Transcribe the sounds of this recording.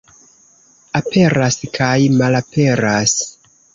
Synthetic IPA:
apʰe̞ɾaskʰajmalapʰe̞ɾas

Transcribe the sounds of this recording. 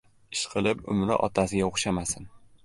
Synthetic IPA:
ɪʃqʰɨlˠɪpʊ̰mlɪ̰ʔɒ̰t̪ʰasɪɡʲaoχʃamasɪn

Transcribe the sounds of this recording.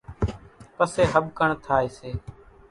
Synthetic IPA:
pəseːɦəb̚kəɳt̪ʰaːeːseː

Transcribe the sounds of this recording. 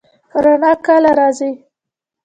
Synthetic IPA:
xɾanɑkalaɾɑzi

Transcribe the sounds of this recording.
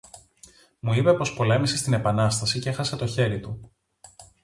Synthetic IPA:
muipe̞po̞spo̞le̞mise̞st̪ine̞pɐnɐst̪ɐsicexɐse̞t̪o̞çe̞ɾit̪u

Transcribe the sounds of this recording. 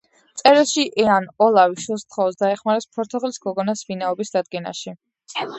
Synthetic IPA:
t̪sʼɛɾilˠʃiʔɛanɔlˠaviʃwulˠst̪ʰχɔɔsd̪aɛχmaɾɛspʰɔɾt̪ʰɔʁlisɡɔɡɔnasvinaɔbisd̪ad̪̚ɡɛna̰ʃi

